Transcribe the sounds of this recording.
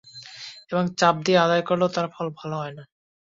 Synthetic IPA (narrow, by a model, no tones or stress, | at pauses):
eboŋt͡ɕap̚d̪iead̪ajkoɾlewt̪aɾfɔlbʱaloɦɔena